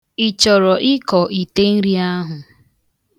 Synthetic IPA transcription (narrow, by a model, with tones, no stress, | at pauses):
i˨t͡ʃɔ˨ɾɔ˨ʔɪ˦kɔ˨ʔi˨te˦n̩˦ɾi˦a˦ɦʊ˨